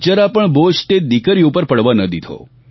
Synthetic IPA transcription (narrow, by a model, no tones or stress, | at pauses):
t͡ʃəɾapəɳbosʈed̪ikəɾiupəɾpəɽʋanəd̪id̪ʱʰo̰